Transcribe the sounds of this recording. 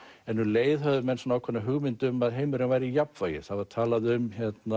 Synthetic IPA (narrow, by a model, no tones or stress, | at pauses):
ɛnːuleːjðɦœðʏmɛnsɔnawkʰvɛnːaɦʏɣmɪnt̪ʏmaðɦejmʏɾɪnvajɾɪijapfaːjɪ̰θaðvaɾt̪ʰaːlaðʏmçɛt̪na